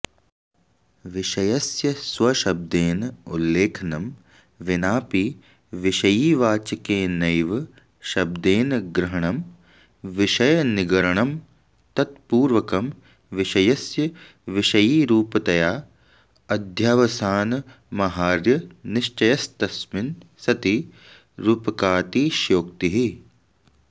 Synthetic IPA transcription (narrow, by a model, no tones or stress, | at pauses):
ʋɪʃɐjɐsjɐsʋɐʃɐb̚d̪eːnulːeːkʰɐnɐm | ʋɪnaːpiː | ʋɪʃɐjiːʋaːt͡ʃɐkeːnɐjʋ | ʃɐb̚d̪eːnɡɾɐɦɐɳɐm | ʋɪʃɐjɐnɪɡɐɾɐɳɐm | t̪ɐt̪̚puːɾʋɐkɐm | ʋiʃɐjɐsjɐ | ʋiʃɐjiːɾuːpɐt̪ɐjaː | ɐd̪ʱjaːʋɐsaːnɐ | mɐɦaːɾjɐnɪʃt͡ʃɐjɐst̪ɐsmɪnsɐt̪i | ɾuːpɐkaːt̪iːʃjoːkt̪iɦi